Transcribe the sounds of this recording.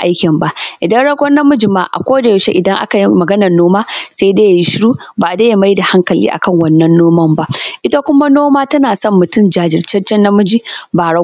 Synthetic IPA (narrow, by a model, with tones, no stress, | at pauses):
ʔa̰˦jkʲɪ˨mba˨ʔʔɪ˨dɐ˦nɽɐ˦ɡʷɔ˦nːa˦mʊ˦d͡ʒi˨ma̰˦ʔa̰˨kʷoː˦da˨˦ʃe˦ʔɪ˨dɐ˦ŋʔa̰˦ka˨ji˦mɐ˨ɡɐ˦nɐ˨rnoː˦maː˦sa˦deː˦ja˨ji˦ʃɪ˦ɽuː˦baː˨daː˦ja˦ma˦jda˨ha˦ŋkɐ˨lḭː˦ʔa̰˨kɐ˦ŋwɐ˦˨nːɐ˦nːoː˦mɐ˦mba˦ʔʔɪ˦ta˦kʷʊ˦ma˦noː˦maː˦tɐ˦naː˨sɐ˦mːʊ˨tʊ˦md͡ʒaː˦d͡ʒɪ˨rt͡ʃɐ˦t͡ʃɛ˦nːɐ˦mʊ˦d͡ʒi˦baː˨ɽɐ˦ɡ